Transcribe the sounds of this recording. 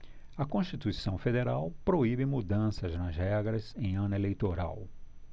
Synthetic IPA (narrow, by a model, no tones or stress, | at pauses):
ɐkõʃt͡ʃit̪uisɐ̃w̃fed̪eɾawpɾoibɪmud̪ɐ̃sɐznɐzhɛɡɾɐzẽj̃ɐ̃nɐelejt̪oɾa̰w